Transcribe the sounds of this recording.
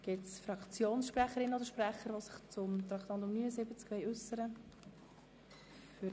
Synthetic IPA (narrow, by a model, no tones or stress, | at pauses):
ɡ̥ɪtsfrɑkt͡sjoːnsʃprɛχəɾɪnəodəʃprɛχəɾʋosɪ̥χt͡sʊmt̪ɾɑkt̪ɑntʊmnyːnəsɪbət͡skvɛɪʉsəɾə | fy